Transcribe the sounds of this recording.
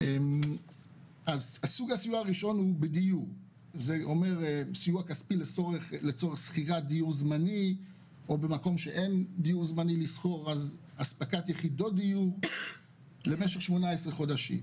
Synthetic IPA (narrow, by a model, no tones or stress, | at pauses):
ʔem | azasuɡasijuaʁiʃo̞nhubedijuʁ | zeo̞me̞ʁesijuakaspilet͡soʁeχlet͡so̞ʁeχsχiʁad̪ijuʁzmani | o̞be̞mako̞mʃeʔe̞nd̪ijuʁzmanilisχo̞ʁaz | aspakat̪jeχido̞td̪ijuʁ | le̞me̞ʃeχʃmo̞naesʁeχo̞daʃḭm